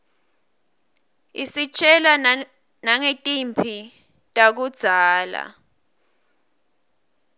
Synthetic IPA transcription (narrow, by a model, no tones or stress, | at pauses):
ḭsit͡ʃʰʼɛla | naŋetʼimpʰi | tʼak̬ud̥z̥ʱaːla̰